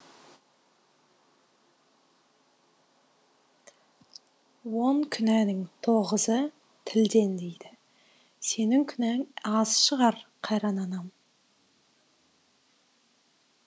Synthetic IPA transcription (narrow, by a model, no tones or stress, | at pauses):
wo̞ɴkʲʰʏnænɪŋt̪ʰoʁəzə | t̪ʰɪld̪e̞nd̪ejd̪ɪ | se̞nɪŋkʲʰʏnæŋɑzʃəʁɑɾqʰɑjɾɑnɑnɑm